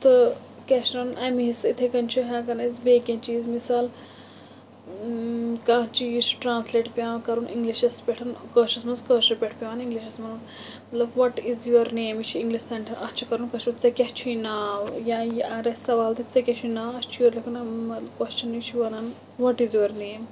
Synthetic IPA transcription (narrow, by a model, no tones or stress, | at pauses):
t̪ɨ | keʃɾɐnʔɐmiɦisit̪ʰekɐnt͡ʃʰiɦãːkɐnɐizbeːkʲẽnt͡ʃiːzmisaːl | kãːt͡ʃizt͡ʃʰʈɾãːnsleːʈpʲiãːnkɐɾunʔḭ̃ŋɡliʃɐspʲeʈʰɐnkəːʃɐsmɐnskəːʃɐɾpʲeʈʰpʲiaːnĩŋɡliʃɐsmɐn | mɐt̪lɐbʋɐʈizjuɐɾneːmit͡ʃʰiiŋɡliʃsɐɳʈʰɐɾʔɐst͡ʃʰikɐɾunkɐʃmɐt͡sɐkʲɐht͡ʃʰunaːwjãjɐɾɐsɐʋaːlt̪it͡sɐkʲet͡ʃʰunaːɐst͡ʃʰjɐɾlɐkʰunɐmɐt̪lɐbkɐst͡ʃʰɐnit͡ʃʰiʋɐnan | ʋɔʈizjuɐɾneːm